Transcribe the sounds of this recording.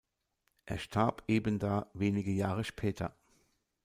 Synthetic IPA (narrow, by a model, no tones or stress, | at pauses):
ʔḛːɐʃtʰaɐpʰʔeːbəndaːveːnɪɡəjaːʁəʃpʰɛːtʰɐ̰